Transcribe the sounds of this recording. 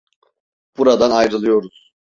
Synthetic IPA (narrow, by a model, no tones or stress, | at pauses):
b̥uɾad̪anajɾɯlˠɯjo̞ɾuz̥